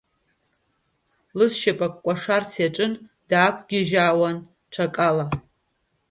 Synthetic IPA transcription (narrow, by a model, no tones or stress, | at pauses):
lɨzʃapʼakʷʼːkʷʼaʂart͡sʰjaʈ͡ʂʼɨnd̥aːkʷʰɡʲɪʒaːwan | ʈ͡ʂʰakʼala